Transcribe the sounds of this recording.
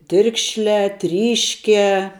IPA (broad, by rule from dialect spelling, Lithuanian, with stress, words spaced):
ˈtʲɪrkʃʲlʲæː ˈtʲrʲiːʃʲkʲæː